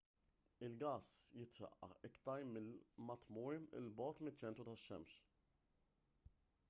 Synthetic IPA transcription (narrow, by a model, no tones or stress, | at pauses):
ɪlɡɐːsjɪt̪ɾɐ̰ʔːɐ̰ɪkt̪ɐɾmɪlmɐt̪muːɪ̰lbɔːt̪mɪt͡ʃːɛnt̪ɾut̪ɐʃːɛ̰mʃ